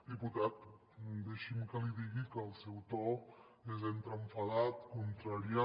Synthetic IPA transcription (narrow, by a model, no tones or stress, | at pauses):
d̪iput̪at̪̚ | d̪eʃimkəliðiɣikəːlˠsɛwt̪ɔ | ezent̪ɾəɱfəðat̪kunt̪ɾaɾia